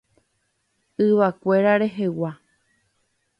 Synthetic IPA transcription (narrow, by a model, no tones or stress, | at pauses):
ɨʋakʷe̞ɾaɾe̞ɦe̞wa